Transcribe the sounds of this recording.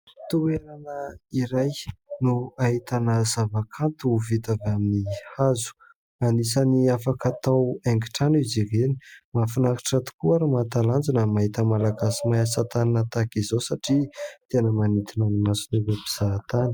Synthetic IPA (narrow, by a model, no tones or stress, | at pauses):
t̪ueɾanəiɾajnuait̪anəzavakʰant̪uvit̪avaminihazu̥ | anisaniafakat̪aweŋɡi̥ʈ͡ʂaniziɾeni̥mafinaki̥ʈ͡ʂat̪u̥kuaɾumat̪aland͡zinəmaɦit̪əmalaɡasimajasat̪aninət̪akizosaʈ͡ʂit̪enəmanit̪inanimasinuɾepiz̥at̪ani̥